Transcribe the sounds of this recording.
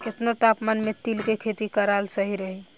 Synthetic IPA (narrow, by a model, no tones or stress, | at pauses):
ket̪nat̪apmanmet̪ilkekʰet̪ikəɾalsəɦiɾəɦi